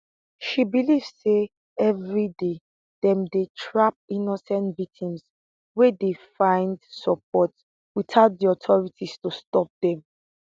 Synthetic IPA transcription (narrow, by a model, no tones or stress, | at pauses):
ʃibilivsse | ɛvɹide | dɛ̃mdetʰɹap̚inɔsɛ̃ntvik̚tʰĩms | wedefãɪ̃ndsɔp̚ʰɔt | witaʊt̚diɔtʰɔɹitʰistustɔp̚dɛ̃m